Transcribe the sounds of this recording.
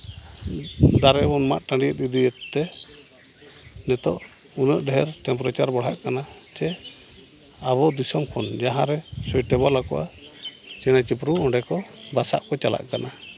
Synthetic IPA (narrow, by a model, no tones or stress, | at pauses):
d̪aɾɛbɔnma̰ʔ̪ʈãɳɖijət̪̚id̪iət̪ːɛ | nɛt̪ɔʔ | unəʔ̚ˀɖɛɦɛɾʈɛmpɔɾat͡ʃaɾbɔɽ̤aʔkanat͡ʃɛ | aβɔd̪isɔmkʰɔnd͡ʒaɦãɾɛsɔjʈɛbalakɔ̰ʔa | t͡ʃɛɽ̃at͡ʃip̬ɾuɔ̃ɳɖɛkɔbasa̰ʔkɔt͡ʃala̰ʔkana